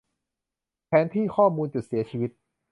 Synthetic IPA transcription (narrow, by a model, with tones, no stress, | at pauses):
pʰɛː˨˦˥nt̪ʰiː˥˩kʰɔː˥˩muː˧nt͡ɕu˨˩t̪̚si˩˦ɐt͡ɕʰiː˧wi˦˥t̪̚